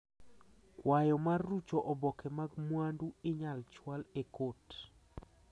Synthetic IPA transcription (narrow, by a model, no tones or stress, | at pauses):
kwajɔmarːut͡ʃɔʔɔbɔkʰɛmaɡmwanduɪɲalt͡ʃwalekot